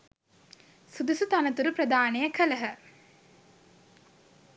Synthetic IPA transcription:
sud̪usut̪anət̪uɾupɾəd̪aːnejəkʰələɦə

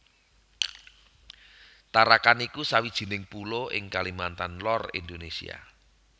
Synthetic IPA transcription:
t̪aɾakanikusawid̥ʒ̥i̤nɪŋpuloʔɪ̰ŋkalimant̪anlɔrḭnd̪onesḭa̰

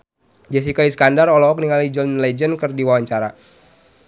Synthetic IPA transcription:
d͡ʒas̬ikaiskandarɔlɔɔk̚niŋalid͡ʒɔnlɛd͡ʒənkɨrdiwawaɲt͡ʃaɾa

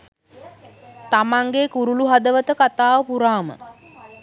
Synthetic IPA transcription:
t̪amaŋɡekuɾuluɦad̪əʋət̪əkat̪aːʋəpuɾaːmə̰

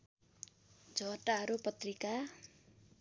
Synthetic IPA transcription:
d͡zʱʌʈaɦʌɾupʌt̪rika

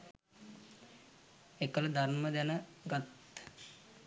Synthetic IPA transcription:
ekələd̪ʱarməd̪ænəɡat̪

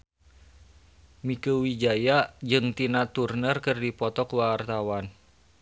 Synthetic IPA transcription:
mikəwid͡ʒajad͡ʒɨŋt̪inat̪urnərkɨrdipɔt̪ɔkwart̪awan

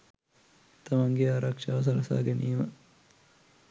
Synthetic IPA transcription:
t̪ɐmaŋɡeaːɾakʂaʋɐs̬ɐlɐsa̰ːɡeniːmə

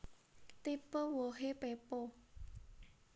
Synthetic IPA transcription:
t̪ipəwoɦepepo

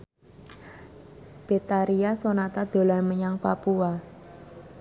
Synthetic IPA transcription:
b̥e̤t̪aɾiasonat̪ad̪̥o̤lanməɲaŋpapua

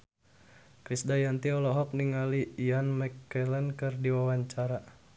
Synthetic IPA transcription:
kɾisdajant̪iɔlɔɦɔk̚niŋaliːanmɛkːɛlɛnkɨrdiwawaɲt͡ʃaɾa

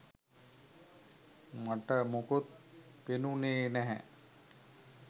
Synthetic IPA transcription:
maʈəmokot̪̚penuneːnæɦɛ̰

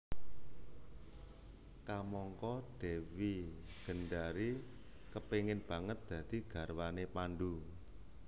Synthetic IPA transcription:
kamɔŋkɔd̥ɛwiɡ̥ə̤nɖaɾi | kəpeŋɪnb̥a̤ŋət̪̚d̪̥ä̤d̪̥i̤ɡ̥a̤rwanepanɖu

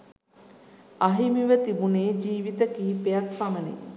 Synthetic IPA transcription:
aɦimiʋət̪ibuneːd͡ʒiːʋit̪əkiːpejakfamənḛ

